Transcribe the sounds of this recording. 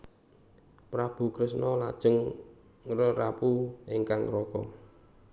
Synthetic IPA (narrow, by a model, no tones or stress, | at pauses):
pɾab̥ṳkɾɪsnɔlad̥ʒ̥əŋ | rərapueŋkaŋɾɔkɔ̰